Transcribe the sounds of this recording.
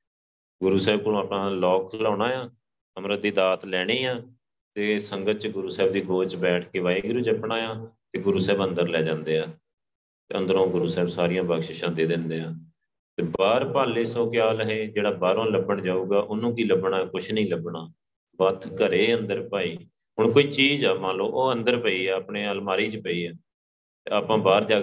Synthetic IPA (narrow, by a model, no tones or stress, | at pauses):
ɡʊɾuːsɛːb̚kʊlõːaːpɳãːlɔːkʰlɔːɽaːjaː | əmɾəd̪iːd̪aːt̪lɛːɽ̃eːãː | t̪eːsəŋɡət̪̚t͡ʃɡʊɾuːsɛːb̚d̪iːɡoːt͡ʃbɛːʈʰkeːʋaːiɡʊɾuːd͡ʒəpɳaːjãːt̪eːɡʊɾuːsɛːbə̃nd̪əɾlɛːd͡ʒãːnd̪eːaː | t̪ḛːə̃nd̪əɾõːɡʊɾuːsɛːbsaːɾɪjãːbaːɡʃɪʃãːd̪eːd̪ɪnd̪eːaː | t̪eːbaːɾpaːleːsõːkjaːləɦeːd͡ʒeːɽaːbaːɾõːləbəɳd͡ʒaːuːɡaːʔʊnũːkiːləbɳaːkʊt͡ʃʰnəĩːləbɳaː | bət̪ʰkəɾeːə̃nd̪əɾpaːiː | ɦʊɳkoːiːt͡ʃiːzaːmãːloːʔoːənd̪əɾpəiːɛːəpɳeːəlmaːɾiːt͡ʃpəiːɛː | t̪eːaːpãːbaːɾd͡ʒaːɡ